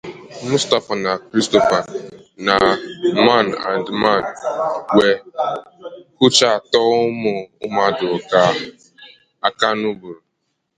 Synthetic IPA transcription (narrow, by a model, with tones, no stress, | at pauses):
mʊ˦sta˨fa˨na˨kɾi˦sto˦˨fa˨na˨ma˦˨na̰˨ndma˦˨n˨we˨ | ku˦t͡ʃa˦˨tɔ˦ʊ˦mʊ˨ʊ˦m˦a˦dʊ˨ka˦ | a˦ka˦nu˦bu˨ɾu˨